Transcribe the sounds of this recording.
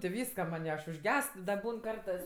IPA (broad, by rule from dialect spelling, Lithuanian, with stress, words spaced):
tʲɪ ˈʋʲiːskɐ mɐnʲ ɪ ɐʃ ʊʒʲˈɡʲɛst dɐ ˈbuːn ˈkɐrtɜs